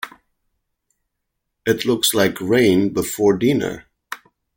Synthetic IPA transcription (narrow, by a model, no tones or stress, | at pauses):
ɨtʰˡlʊkslaɪkʰɹẽɪ̃nbəfɔɹdĩnə̰˞